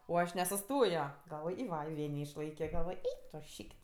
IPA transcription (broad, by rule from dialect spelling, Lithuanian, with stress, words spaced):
oː ˈɐʃ nʲɛsʊˈstoːjoː ɡɐlˠˈʋoːj ɪ ˈʋɐ ɪ ˈʋʲeː nʲɛɪʃˈlˠɐɪkʲoː ɡɐlˠˈʋoːj ˈɛɪk tʊ ˈʃʲiːkʲtʲ